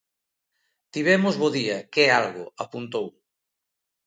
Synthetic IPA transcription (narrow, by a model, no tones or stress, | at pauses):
t̪iβɛmʊzβoðiɐkɛalɣʊ̰apunt̪ow